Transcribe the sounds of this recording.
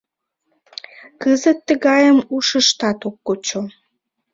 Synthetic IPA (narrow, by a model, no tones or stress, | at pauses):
kəzət̪ːəɣɑjəmuʃəʃt̪ɑt̪okːot͡ɕo